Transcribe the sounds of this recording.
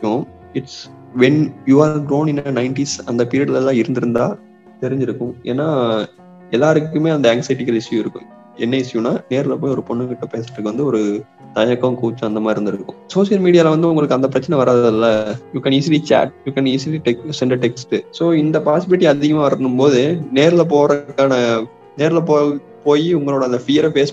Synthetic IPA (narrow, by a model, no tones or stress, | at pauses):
ʊ̃ | ɪʈs | ʋɛnjuːaːɾɡɾoːnɪ̃nɐnɐɪɳʈisɐnd̪ɐpɪɾɪɐɽɪlɛlːãːɪɾɯnd̪ɪɾɯnd̪aː | t̪ɛɾɪɲd͡ʒɪɾɯkːʊ̃ʔḛːnːaː | ɛlːaːɾɯkːɯmeːɐnd̪ɐɛŋksɐɪʈɪkɐlɪsɪjʊ̃ɪɾɯkːʊ̰̃ | ɛnːɐʋɪsɪjʊ̃nːaːneːɾɪlɐpoːjiɔɾɯpɔɳːɯkɪʈːɐpeːsɐʈːɯkːɯʋɐnd̪ɯɔɾɯ | t̪ɐɲɐkːɐkuːt͡ʃːʊ̃ɐnd̪ɐmaːɪɾɯnd̪ɪɾɯɯkːʊ̃soːʂɪjɐlmiːɽɪjaːlɐʋɐnd̪ɯʊ̃ŋɡɐɭɯkːɯɐnd̪ɐpɪɾɐt͡ʃːɐnɛʋɐɾaːðlːɐjuːkɐniːs̬ilit͡ʃa̰ːʈ̚juːkɐniːsɪliʈɛksɛɳɖɐʈɛksʈɯsoːɪnd̪ɐpaːsɪbɪlɪʈ̬ːiɐðɪɣɐmaːʋɐɾɾɐnɯmpoːðɯneːɾɪlɐp̬oːɾɐkːaːnɐ | neːɾɪlɐpoː | poːjiʊŋɡɐɭoːɽɐɐnd̪ɐfɪjɐɾpeːs